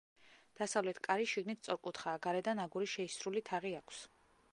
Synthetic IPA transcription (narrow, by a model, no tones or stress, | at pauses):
d̪̥asavlɛt̪ʰkʼaɾiʃiɡnit̪̚ʰt̪sʼɔɾkʼut̪ʰχaːɡaɾɛd̪anaɡuɾiʃɛisɾulit̪ʰaʁiakʷʰs